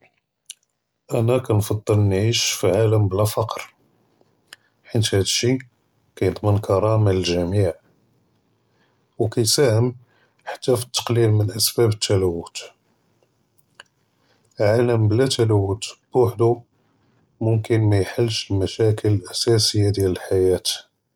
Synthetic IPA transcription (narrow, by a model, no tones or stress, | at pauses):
ʔænækænfɑd̪ˤːəlnʕiʃfiʕaləmblæfɑqɾ | ħit̪hæd̪əʃi | kæjət̪ˤmənkʰɑɾˤɑmaəlʒæmiʕ | wkæjsæhəm | ħḁt̪ːæfi̥t̪ːɑ̥qlilmənʔæsbæbət̪ʰːælæwːət̪ | ʕaləmblæt̪ælæwːət̪b̥aħd̪u | mʊmkənmæjħəlːʃəlmæʃækələlʔæsæsəjːad̪jæləlħajæt̪